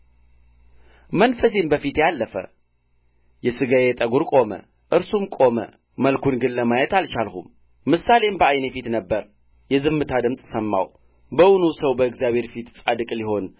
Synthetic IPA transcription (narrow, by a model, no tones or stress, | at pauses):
mənfəs̬imbəfit̪jalːəfə̰ | jɛsɨɡajet̪ʼəɡuɾkʼo̞mə̰ | ʔɨɾsumkʼo̞mə̰ | məlkʰunɡɨlːəmajɛt̪alt͡ʃalxṵmː | ɨsalembəajnefit̪nəbːəɾ | jɛzɨmːɨt̪ʰad̪ɨmsʼsɐmːa̰w | bəwnusɐwbəɨɡzijaβhe̞ɾfit̪t͡sʼad̪ɨkʼliho̞n